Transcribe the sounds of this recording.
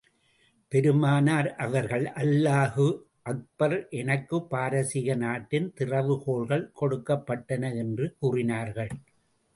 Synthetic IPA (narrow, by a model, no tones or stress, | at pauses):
pɛɾɯmaːnaːɾʔɐʋɐɾɣɐɭʔɐlːaːhɯ | ʔɐk̚b̥ɐɾʔɛnɐkːɯpːaːɾɐsɪɣɐnaːʈːɪnt̪ɪrɐʋɯkoːɭɣɐɭkɔɽɯkːɐpːɐʈːɐnɐɛndrɯkuːrɪnaːɾɣɐɭ